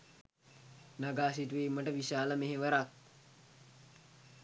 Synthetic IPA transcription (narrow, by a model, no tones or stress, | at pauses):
naɡaːsiʈuʋiːməʈəʋiʃaːləmeɦeʋəɾak̪̚